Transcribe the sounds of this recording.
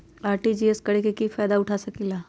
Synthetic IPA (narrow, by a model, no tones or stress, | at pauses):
aːɾʈid͡ʒiːeskɐɽekekifaːd̪aʊʈʰasɐkiːlaː